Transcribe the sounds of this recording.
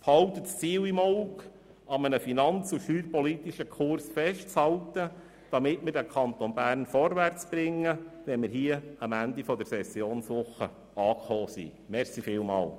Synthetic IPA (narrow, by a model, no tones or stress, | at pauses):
phɑlt̪ətst͡siːwimɔk | ɑmənəfinɑnt͡suʃyːɾpɔlit̪iʃəkʰʊrsfɛʃt̚t͡shɑlt̪ə | d̥ɑmɪtmɪɾdækʰɑnt̪ɔnbæːrnfɔɾvært͡sb̥ɾɪŋːəʋɛnmɪɾɦiəəmænd̪ifɔd̪əɾsɛsːjoːnsʋʊχə | ɑːkχoːsḭ | mɛɾsifɪːlmɑ̰ːl